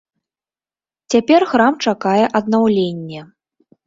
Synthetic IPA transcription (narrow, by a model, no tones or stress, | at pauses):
t͡sʲapʲɛrxɾamt͡ʂakajɛʔɐd̪̚nawlʲenʲːɛ